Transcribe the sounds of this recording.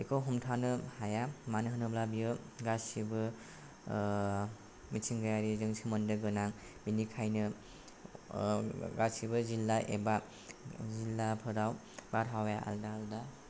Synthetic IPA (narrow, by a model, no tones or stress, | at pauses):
ekʰɔwɦɔmtʰanɯhajamanɯɦɯnɯblabijɯɡasibɯ | mitʰiŋɡajaɾizɯŋsʰimɯndɯɡɯnaŋ | binikʰajnɯ | ɡasibɯzilːaʔḛba | zilːapʰɯɾaw | baɾɦawjaʔa̰ldaːlda